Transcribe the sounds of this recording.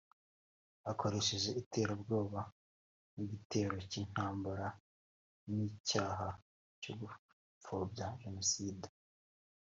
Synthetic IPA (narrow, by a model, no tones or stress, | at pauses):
ako̞ɾe̞ʃeʒe̞ʔitʰe̞ːɾabɡo̞ːβa | niɟite̞ːɾo̞cin̥haːmbaɾa | nicaːɦa | coɡu | fobɟaʒenosiːde